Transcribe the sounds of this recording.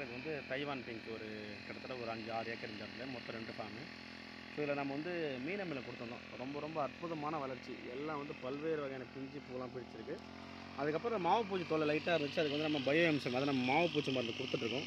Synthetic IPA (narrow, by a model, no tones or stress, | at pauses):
ɪðɯʋɐnd̪ɯt̪ɐɪʋaːnpɪŋkɔɾɯ | kɪɽɐt̪ːɯɽɐɔɾɯɐɲd͡ʒɯaːɾɯjeːkɐɾɪɲd͡ʒaːt̪ɪlɐmɔt̪ːɐ̃ɾɛɳɖɯfaːmɯ | soːɪlːɐnɐmːɐʋɐnd̪ɯmiːlɐmɪlɐkʊɽɯt̪ːɯɳɖõ̰ɾɔmbɐɾɔmbɐɐɾpʊðɐmaːnɐʋɐlɐɾt͡ʃːiɛlːãːʋɐnd̪ɯpɐlʋeːɾɯʋɐɣɐjːnɐpɪɲd͡ʒipuːlãːpɪɽɪt͡ʃːɪɾɯkːɯ | ɐðɯkːɐpːɾ̃õmaːʋɐp̬uːt͡ʃːit̪ɔlːɐlɐɪʈːaːɪɾɯnd̪ɯt͡ʃːɯɐðɯkːʋɐnd̪ɯnɐmːɐbɐjɛmsɐmɐðɐnɐmːɐmaːʋɐp̬uːt͡ʃːɐmbaːɾnd̪ɯkʊɽɯt̪ːɯʈːɾɯkːʊ̃